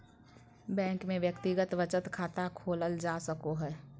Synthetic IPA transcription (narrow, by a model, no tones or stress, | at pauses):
bɛ̃ːŋkmẽʋjəkt̪ɪɡət̪ʋət͡ʃət̪kʰaːt̪akʰoːləld͡ʒaːsəkoɦɛː